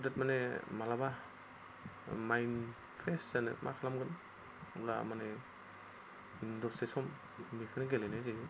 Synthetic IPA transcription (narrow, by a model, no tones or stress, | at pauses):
dat̚manemalaba | majn | pʰɾeszanɯ̰mʔa̰kʰalamɡɯn | ula̰mane | dɔsesɔmː | ikʰɯnɯɡelenaziɡɯ